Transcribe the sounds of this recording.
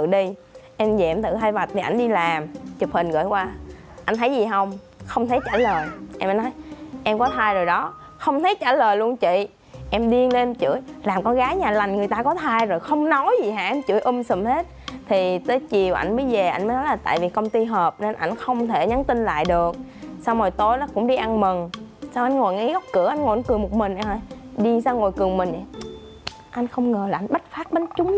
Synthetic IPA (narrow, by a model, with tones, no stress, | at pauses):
t̪ɨ̰˧˨ɗi˧ʔɛ˧mzɛ̰˧˨mt̪ʰɨ̰˧˨ɦa˧jva˨˩t̚t̪ʰi˨˩ʔa˧jŋ̟ɗi˧laː˨˩mt͡ɕp̚hï˨˩n̟ɣə̰ː˧˥˨jkwaː˧ | ʔa˧jŋ̟t̪ʰə˨˦jzi˨˩ɦə˧wŋ͡m | xə˧wŋ͡mt̪ʰə˨˦jt͡ɕaː˧˩ləː˨˩jʔɛ˧mə˨˦nɔ˨˦jʔɛ˧mkɔ˨˦t̪ʰaː˧jzo˨˩jɗɔ˨˦ | xə˧wŋ͡mt̪ʰə˨˦jt͡ɕa̰ː˧˩ləː˨˩jlu˧ənt͡ɕḭ˧˨ | ʔɛ˧mɗi˧əŋle˧t͡ɕɨ̰˧˩əjlaː˨˩mkɔ˧nɣaː˨˦jɲaː˨˩la˨˩jŋ̟ŋɨ˨˩əjt̪aː˧kɔ˨˦t̪ʰaː˧jzo˨˩jxə˧wŋ͡mnɔ˨˦jzi˨˩ɦa̰ː˧˩ʔɛ˧mt͡ɕɨ̰˧˩˥əjʔɨ˧msə˨˩mhe˦˥t̚t̪ʰi˨˩t̪əː˨˦jt͡ɕi˨˩əwʔa̰˧˩jŋ̟ɓəː˧˨˦jve˨˩ʔa˧jməː˨˦jnɔ˨˦jlaː˨˩t̪a̰ː˧˨jvi˨˩kə˧wŋ͡mt̪i˧ɦəː˨˩p̚ne˧nʔa˧jŋ̟xə˧wŋ͡mt̪ʰe˧˩ɲa˨˦nt̪i˧nla̰ː˧˨jɗɨ˨˩ək̚sa˧wo˨˩jt̪o˧jnɔ˨˦kʊ̰˧˥ŋ͡mɗi˧ʔa˧ŋmɨ˨˩ŋsaː˧wʔa˧jŋ̟ŋo˨˩jŋḭ˧˦ɣɔ˦˥wk͡p̚kɨ̰˧˥əʔa˧jŋo˨˩jnkɨ˨˩əŋmo˨˩t̚mï˨˩ŋ̟ʔaː˧˩jɗi˧˩əŋsaː˧wŋo˨˩jkɨ˨˩əŋmï˨˩ŋ̟ʔa˨˩ | ʔa˧jŋ̟xə˧wŋ͡mŋəː˨˩la˨˩ʔa˧jŋ̟ɓə˦˥t̚faː˦˥t̚ɓe˨˦nt͡ɕʊ˨˦ŋ͡m